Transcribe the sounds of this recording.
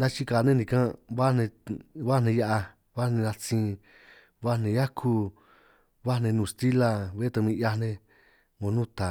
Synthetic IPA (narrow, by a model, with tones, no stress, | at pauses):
nã˦t͡ʃi˦ka˨˧nẽ˦nĩ˧kã˦βa˦nẽ˧βa˦nẽ˧ja˦ʔa˧ | βa˦nẽ˧na˧t͡sĩ˧ | βa˦nẽ˧ja˦kʰu˧ | βa˦˧nẽ˧nũ˧˨st̪i˦la˧βe˦t̪ã˧mĩ˧ʔja˧nẽ˧ | mõ˧nũ˦t̪a˨